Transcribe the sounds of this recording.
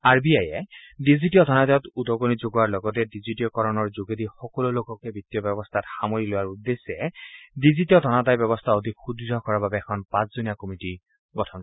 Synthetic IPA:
aɹbiajɛdizitiɔdʱɔnatajɔtudɔɡonizoɡɔwaɹlɔɡɔt̬ɛdizitiɔkɔɹɔnɔɹzoɡedixɔkɔlolokɔkɛbitːjɔbɛbɔst̪ʰatxamoɹilowaɹudːesɛdizitiɔdʱɔnatajbɔbɔst̪ʰaod̪ʱikxudiɔkɔɹababɛɛkʰɔnpãszunijakomiti | ɡɔtʰɔn

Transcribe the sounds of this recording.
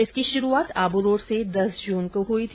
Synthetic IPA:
ɪskiʃʊɾuaːt̪aːbuɾoːɾsed̪ɐsd͡ʒuːnkoɦuit̪ʰ

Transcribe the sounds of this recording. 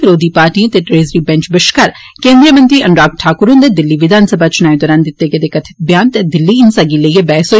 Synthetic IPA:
pɪɾoːd̪iːpaːɾʈiẽt̪eʈɾeːzɾiːbɛ̃ɲt͡ʃbɪʃkaɾ | kẽːnd̪ɾijəmə̃nt̪ɾiːʔɐɳɾaːkʈʰaːkʊɾũnd̪ed̪ɪlːiːʋɪd̪ʱaːnsəbʱaːt͡ʃʊnaːĩd̪ɔːɾaːnd̪ɪt̪ːeked̪eːkɐt̪ʰɪ̥t̪̚bjaːnt̪ed̪ɪlːiːɪnsaɡiləijebɛːso

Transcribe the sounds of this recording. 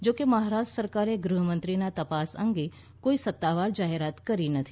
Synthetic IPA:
d͡ʒokeməɦaɾaʃʈɾəsəɾkaɾeɡɾuɦəmənt̪ɾinat̪əpasə̰̃ŋɡe | koisət̪ːaʋaɾd͡ʒaɦeɾat̪kəɾinət̪ʰi̥

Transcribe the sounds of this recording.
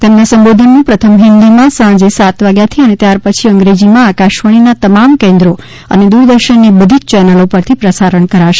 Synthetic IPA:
t̪ɛmnasə̃mbod̪ʱənːũpɾət̪ʰəmɦɪnd̪imãsãɳ̃d͡ʒesat̪ʋaɡjat̪ʰiənet̪jaɾpət͡ʃʰiəŋɡɾed͡ʒimãːkaʃʋəɽ̃inat̪əmamkẽnd̪ɾo | ə̰ned̪uɾd̪əɾʃənːibəd̪ʱit͡ʃt͡ʃɛnəlopəɾt̪ʰipɾəsaɾəɳkəɾaʃe̥

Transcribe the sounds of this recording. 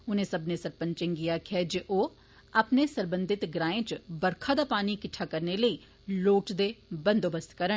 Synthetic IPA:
ʊnẽsɐbnesəɾpə̃nt͡ʃẽŋɡijakʰɛd͡ʒeʔoː | ɐpnesəɾbə̃nd̪ɪt̪ɡɾãːẽt͡ʃbəɾkʰad̪apaːnikɪʈʰːakɐɾneləiː | loːʈd̪ebə̃nd̪oːbəst̪kɐɾə

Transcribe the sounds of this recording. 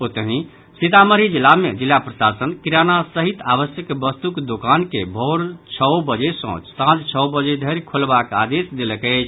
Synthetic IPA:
ot̪əɦĩ | sit̪aməɾid͡ʒilːamḛd͡ʒilːapɾəsasənkiɾanasəɦit̪aβəsjəkbəst̪ukd̪okankebʱɔɾt͡ʃʰəwbəd͡ʒesɔ̰̃t͡ʃsãt͡ʃt͡ʃʰəwbəd͡ʒed̪ʱəɾkʰolbaka̰d̪esd̪eləkəɪt͡ʃʰ

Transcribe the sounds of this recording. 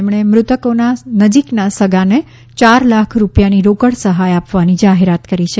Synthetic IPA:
mɳ̃emɾʊt̪əkonanəd͡ʒiknasəɡʱane | t͡ʃaɾlakʰɾupjaniɾokəɽsəɦajapʋanid͡ʒaɦeɾat̪kəɾit͡ʃʰe

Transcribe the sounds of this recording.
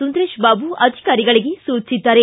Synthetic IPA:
und̪ɾeːʃbaːbuʔɐd̪ʱikaːɾiɡɐɭiɡesuːt͡ʃid̪ːaːɾe

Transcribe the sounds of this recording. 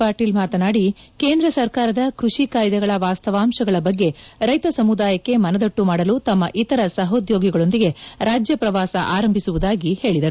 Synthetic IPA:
paːɾʈiːlmaːt̪ɐnaːɽike̞ːnd̪ɾɐsɐɾkaːɾɐd̪ɐkɾuʂikaːjd̪ɛɡɐɭɐʋaːst̪ɐʋaːmʃɐɡɐɭɐbɐɡːe̞ɾɐjt̪ɐsɐmud̪aːjɐkːe̞mɐnɐd̪ɐʈːumaːɽɐlut̪ɐmːɐʔit̪ɐɾɐsɐɦod̪jo̞ːɡiɡɐɭo̞nd̪iɡe̞ɾaːd͡ʒjɐpɾɐʋaːsɐ̰ʔaːɾɐmbʱisuʋud̪aːɡihe̞ːɭid̪ɐɾu

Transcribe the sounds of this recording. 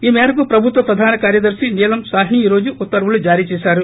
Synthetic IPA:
iːmeːɾɐkupɾɐbʱut̪ʋɐpɾɐd̪ʱaːnɐkaːɾjɐd̪ɐɾʂiniːlɐmsaːɦɳiːɾo̞ːd͡ʒuʔut̪ːɐɾʋulud͡ʒaːɾiːt͡ʃɛːʃaːɾu

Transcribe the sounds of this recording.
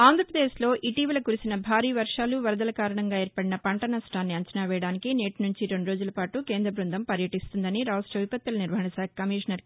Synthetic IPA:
aːnd̪ɾɐpɾɐd̪eːʃlo̞ːʔiʈiːʋɐlɐkuɾisinɐbʱaːɾiːʋɐɾʂaːluʋɐɾɐd̪ɐlɐkaːɾɐɳɐŋɡaːeːɾpɐɽinɐpɐɳʈɐnɐsʈaːnːiɐɲt͡ʃɐnaːʋɛːjɐɽaːnikineːʈnuɲt͡ʃiɾeɳɖuɾo̞ːd͡ʒulɐpaːʈukeːnd̪ɾɐbɾund̪ɐmpɐɾjɐʈist̪und̪ɐniɾaːɐsʈɾɐʋipɐt̪ːɐlɐniɾʋɐɦɐɳɐsaːkʰɐkɐmiːʂɐnɐɾ

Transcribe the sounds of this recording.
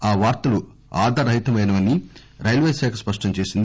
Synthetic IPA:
aːʋaːɾt̪ɐlu | aːd̪ʱɐɾɐɦit̪ɐmɐjnɐʋɐnːi | ɾɐjlʋejsɛːkʰɐspɐʂʈɐɲt͡ʃe̞ːsind̪i

